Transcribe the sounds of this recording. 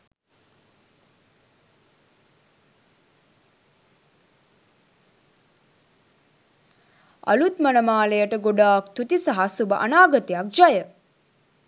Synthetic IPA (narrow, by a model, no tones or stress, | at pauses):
ɐ̰lut̪mənəmaːlejəʈəɡoɖaːkt̪ut̪isɐɦasubəʔanaːɡət̪ijak̚d͡ʒajə